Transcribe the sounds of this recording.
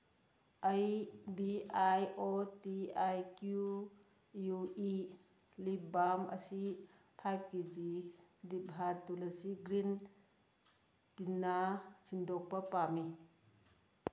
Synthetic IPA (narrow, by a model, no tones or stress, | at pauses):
ajbiajotiajkju | jui | lip̚bamɐ̰si | pʰajp̚kid͡ʒidibʱɦatulɐsiɡɾin | tinːasʰindɔk̚pɐpami